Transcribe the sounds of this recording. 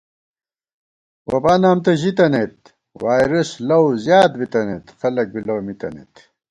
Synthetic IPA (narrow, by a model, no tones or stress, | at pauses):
wɐbaːnaːmt̪ɐʑit̪ɐnet̪ | waːjɾɐslɐwzjaːt̪̚bit̪ɐnet̪xɐlɐk̚bilɐwmit̪ɐ̰nḛt̪